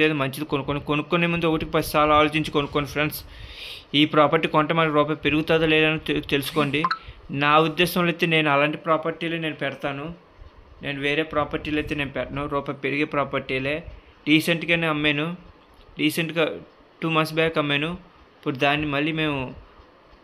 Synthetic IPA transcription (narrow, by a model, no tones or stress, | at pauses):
eːd̪ɐmɐɲt͡ʃid̪ikonukːonkonukːonemund̪uɔkɐʈikipɐt̪isaːlaːloːt͡ʃiɲt͡ʃikonukːonːifʰɾens | iːpɾaːpɐɾʈiːkɔɳʈɐmɐliɾɔːp̬ɐjpeɾuɡut̪aːd̪ɐleːd̪ɐnut̪t̪e̞lusu̥ko̞ːɳɖinaːud̪ːɛːʃɐmlɐjt̪ːeːne̞ːnuɐlaːɳʈipɾaːpɐɾʈiːleːne̞ːnupɛɽɐt̪aːnu | ne̞ːnuʋeːɾe̞ːpɾaːpɐɾʈiːlɐjt̪e̞ːneːnupɛʈɐnuɾɔːpɐjpeɾiɡeːpɾaːpɐɾʈiːle̞ː | ɖiːseɳʈkɐneɐmːeːnu | ɾiːseɳʈɡa | ʈuːmɐnsbɛːkɐmːeːnu | ipːuɽud̪aːnːimɐljime̞ːmu